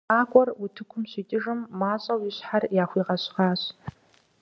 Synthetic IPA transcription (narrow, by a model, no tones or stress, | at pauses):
aːkʷʼɔrwʊtʰɨkʷʰʊmɕiːtʼɪʐɨmːaːɕʼɐwjɪɕħarjaːxʷiːʁɐɕʼʁɑːɕ